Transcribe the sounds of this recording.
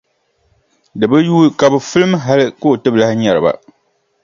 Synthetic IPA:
dɨ˨bɨ˦juː˦ka˨bɨ˨fɨ˦lɨ˦m˦ɦa˦lɨ˦ko˦˨tɨ˦bla˦ɲa˨ɾɨ˨ba̰˨

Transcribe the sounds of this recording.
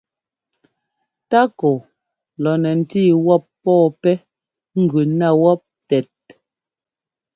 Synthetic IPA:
ta˦kɔ˨ | lɔ˨nɛ˨n̩˨tiː˦˨wɔ˦˨pːɔː˦˨pɛ˦ | ŋ̩˦˨ɡʉ˨na˦˨wɔ˦p̚tɛ˨t̚

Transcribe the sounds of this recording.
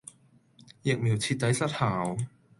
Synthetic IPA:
jɪ˨k̚mi˨˩wt͡sʰiː˧t̚t̪ːɐ˨˥jsɐ˥t̚haː˨˩w

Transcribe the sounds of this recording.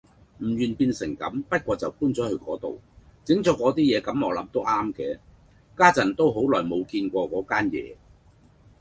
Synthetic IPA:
m̩˨˩jyː˨˩npiː˧nsɪ˨˩ŋkɐ̰˨˥mpɐ˥t̚kʷɔː˧t͡sɐ˨wkuː˥nt͡sɔː˨˥hɵ˧ɥkɔː˨˥t̪o̰˨wt͡sɪ˨˥ŋt͡sɔ˨˥kɔː˨˥t̪̬iː˥jɛː˨˧kɐ˨˥mŋɔː˨˧lɐ˨˥mt̪o˥wʔaː˥mkɛː˧ | kaː˥t͡sɐ˨˩nt̪o˥wɦo˨˥wlɔː˨˩jmo˨˧wkiː˧nkʷɔː˧kɔː˨˥kaː˥njɛ̰ː˨˧

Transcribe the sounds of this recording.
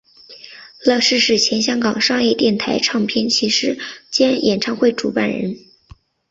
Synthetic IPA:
lɤ˥˧ʂɻ̩˥˧ʂɻ̩˥˩t͡ɕʰjɛ˧˥nɕjɑ˥ŋkɑ˨˩ŋʂɑ˥˧ŋjɛ˥˧t̪jɛ˥˩nt̪ʰa˧˥ɪʈ͡ʂʰɑ˥˧ŋpʰjɛ˥nt͡ɕʰi˧˥ʂɻ̩˥t͡ɕjɛ˥njʔɛ˨˩nʈ͡ʂʰɑ˥˧ŋxwe˥˩ɪʈ͡ʂṵ˧˥pa̰˥˩nɻə̰˧˥n

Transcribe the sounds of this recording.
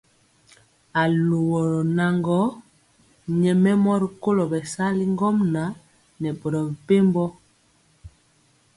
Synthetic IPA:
a˨lo˨wɔ˨ɾɔ˨na˨ŋɡɔ˦ | ɲɛ˨mɛ˦mɔ˦ɾi˨ko˦lɔ˨bɛ˨sa˦li˦ŋɡɔ˦mna˨˦ | nɛ˨bɔ˨ɾɔ˨bɛ˨pe˦mbɔ˦

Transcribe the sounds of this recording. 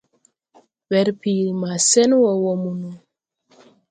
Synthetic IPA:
wɛ˨ɾpi˨lma˨sɛ˦nwɔ˨wɔ˨mu˨nu˨

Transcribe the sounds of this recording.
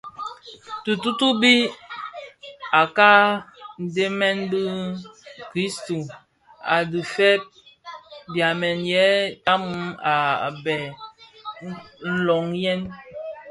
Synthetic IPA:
tu˨tu˦tu˦bi˦ | a˨ka˦n̩˨de˦mɛ˦nbɨ˦ | kɾi˦sto˨ | a˨dɨ˨fɛ˦p̚ | bja˨mɛ˨njɛ˨˦ta˦m˦a˨bɛ˨ | n̩˦lɔ˨ŋjɛ˦n

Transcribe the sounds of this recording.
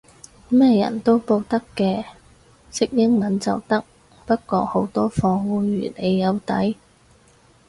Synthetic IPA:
mɛː˥jɐ̰˨˩nt̪o˥wpo˧wt̪ɐ˥kːɛː˧ | sɪ˥k̚jɪ˥ŋmɐ˨˥nt͡sɐ˨wt̪ɐ˥k̚ | pɐ˥t̚kɔː˧ho˨˥wt̪ɔː˥fɔː˧ŋwuː˨˧ɥy̰ː˨˩ne˨˧jːɐ˨˧wt̪ɐ˨˥j

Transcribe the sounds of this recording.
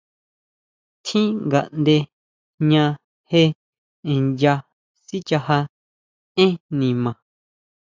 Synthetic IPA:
t̪ʰĩ˦ŋɡa̰˨ʔnd̪e˧ | ɲã˧ | he˦˧ | ẽ˨ja˧ | si˦t͡ʃa˧ha˧ | ẽ˦nĩ˨mã˨

